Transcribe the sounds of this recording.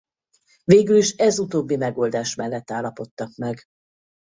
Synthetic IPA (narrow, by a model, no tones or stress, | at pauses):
veːɡyliʃɛzut̪oːbːimɛɡo̞ːld̪aːʃmɛlːɛt̪ːaːlːɒpo̞t̪ːɒkmɛɡ